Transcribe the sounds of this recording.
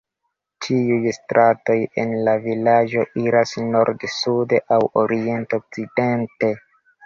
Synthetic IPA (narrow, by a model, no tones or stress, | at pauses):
t͡ʃʰiujstɾʔato̞jḛnlavilad͡ʒo̞ʔiɾasno̞ɾdsudeʔawo̞ɾie̞ntok̚t͡side̞nte̞